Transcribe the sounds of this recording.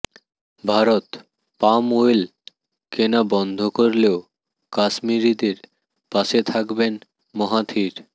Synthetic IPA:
bʱaɾot̪ | pamoel | kenabɔnd̪ʱokoɾleo | kaʃmiɾid̪eɾ | paʃet̪ʰakben | mɔɦat̪ʰiɾ

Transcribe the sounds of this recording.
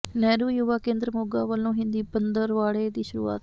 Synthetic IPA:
nɛːɾuːjuːʋaːkẽːnd̪ɾəmoːɡaːʋəlːõːɦɪ̃nd̪iːpənd̪əɾʋaːɭeːd̪iːʃʊɾṵːa̰ːt̪

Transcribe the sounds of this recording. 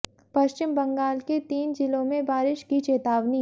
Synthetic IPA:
pɐʃt͡ʃɪmbɐ̃ŋɡaːlket̪iːnd͡ʒɪlõmẽbaːɾɪʃkit͡ʃeːt̪aːʋni

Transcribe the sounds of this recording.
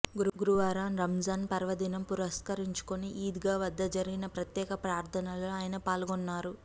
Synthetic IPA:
ɡuɡuɾuʋaːɾaːnɾɐmd͡ʒaːnpɐɾʋɐd̪inɐmpuɾɐskɐɾiɲt͡ʃu̥koniʔiːd̪iɡaːʋɐd̪ːɐd͡ʒɐɾiɡinɐpɾɐt̪jɛːkɐpɾaːɾt̪ʰɐnɐloːaːjɐnɐpaːlɡɔnːaːɾu

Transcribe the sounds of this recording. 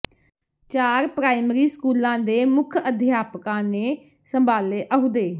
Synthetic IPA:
t͡ʃaːɾpɾaːɪmɾiːskuːlãːd̪eːmʊkʰəd̪ʱjaːpkãːneː | səmbaːleːʔəɦʊd̪eː

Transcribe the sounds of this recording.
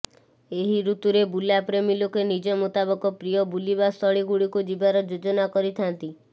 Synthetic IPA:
eɦiɾut̪uɾebulapɾemilokenid͡ʒɔmut̪abɔkɔpɾijɔbulibast̪ɔɽiɡuɽikud͡ʒibaɾɔd͡ʒud͡ʒɔnakɔɾit̪ʰant̪i

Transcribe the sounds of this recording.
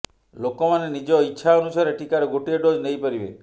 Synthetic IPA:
lokɔmanenid͡ʒɔitːʃʰaɔnusaɾeʈikaɾɔɡoʈieɖod͡ʒnejpəɾibe

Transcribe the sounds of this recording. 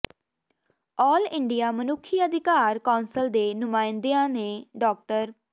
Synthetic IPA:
ɔːlɪ̃ɳɖijaːmənʊkʰːiːəd̪ʱɪkaːɾkaːnsəld̪eːnʊmaːɪnd̪eãːneːɖɔːk̚ʈəɾ

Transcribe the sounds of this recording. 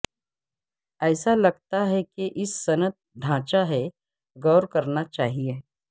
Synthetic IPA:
ɛːsalɐɡ̚t̪aɦɛkeʔɪsːɐnət̪̚d̪ʱãːt͡ʃaɦɛ | ɡɔːɾkɐɾnat͡ʃaːɦie

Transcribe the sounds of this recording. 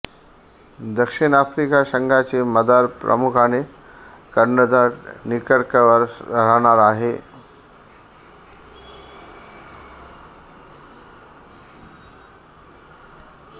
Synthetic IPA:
d̪əkʂinafɾikasəŋɡʱat͡seməd̪aɾpɾə̰mukʰane | kəɾɳəd̪aɽnikəɽkəʋəɾəɾ̤aɽ̃aɾaɦe

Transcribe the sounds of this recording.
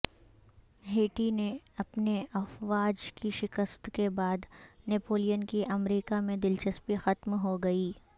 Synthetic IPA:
ɦeːʈineɐpneɐfʋaːd͡ʒkiʃɪkəst̪kebaːd̪neːpoːlijənkiʔɐmɾiːkamẽd̪ɪlt͡ʃɐspixɐt̪mɦoɡɐiː

